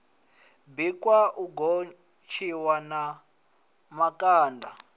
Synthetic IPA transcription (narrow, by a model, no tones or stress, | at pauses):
bikʼwauɡo | t͡ʃʰiwana | makʼaːndʱa